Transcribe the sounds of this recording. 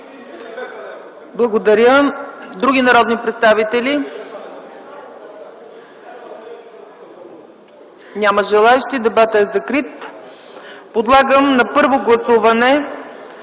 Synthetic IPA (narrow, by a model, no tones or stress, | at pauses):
blˠɐɡod̪ɐɾʲjəd̪ɾuɡʲinɐɾɔd̪nipɾɛt̪st̪avit̪ɛli | nʲaməʒɛlˠaɛʃt̪id̪ɛbat̪əɛzɐkɾit̪ | pod̪lˠaɡəmnɐpɤɾvoɡlˠɐsuvɐnɛ